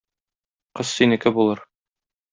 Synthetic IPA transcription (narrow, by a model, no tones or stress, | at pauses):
qɤssinɘ̆kɘbulˠɤɾ